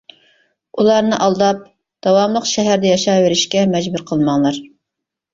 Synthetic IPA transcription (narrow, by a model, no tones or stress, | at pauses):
ulˠɑɾnɨʔɑlˠd̪ɑp̚ | d̪̥ɑwɑmlˠəqʃɛɦæɾd̪ɛjɑʃɑveɾɪʃkʲɛmɛd͡ʒbuɾqʰəlˠmɑŋlˠɑɾ